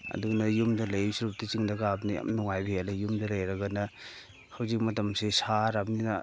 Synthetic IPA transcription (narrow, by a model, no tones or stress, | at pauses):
ɐ̰dunɐjumdɐlɐjisuɾup̚tit͡ʃiŋdaɡaabnia̰mnuŋajbielajumdɐlɐjɾɐɡanɐ | hawzik̚mɐtɐmsesaɾabnina